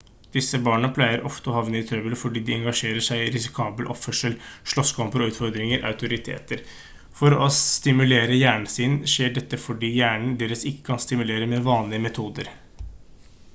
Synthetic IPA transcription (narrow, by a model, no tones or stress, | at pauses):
d̪̥ɪsəbɑːɳəpʰlæɪəɾʔɔft̪əɔhɑʋnəɪt̪ʰɾœbəlfɔɖiːd̪ɪɛŋɡɑʂeːɾəʂæɪɪɾɪsɪkʰɑːbəlʔɔ̰pfœʂəlʂɭɔskʰɑmpəɾɔʉːt̪fɔɾd̪ɾɪŋəɾʔɑ̰ʉt̪ʊɾɪt̪ʰḛːt̪əɾ | fɔɾɔst̪ɪmʉleːɾəjæːɳɳ̩sɪnʂeːɖɛt̪ːəfɔɖiːjæːɳɳ̩d̪eːɾəsɪkːə̥kʰɑnst̪ɪmʉleːɾəmɛʋɑːnlɪəmɛt̪ʰuːd̪əɾ